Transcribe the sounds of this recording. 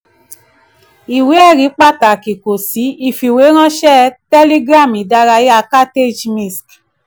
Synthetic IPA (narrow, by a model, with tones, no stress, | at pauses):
i˨we˨˦ɛ˦˨ɾi˨˦k͡pa˦˨ta˨ki˨ko˨si˨˦i˦˨fi˨we˨˦ɾ̃ã˦ʃɛ˦tɛ˦li˦ɡɾa˦˨mi˨da˧˦ɾa˧je˦a˨˧˦ka˦te˦˨d͡ʒmĩ˦˨sk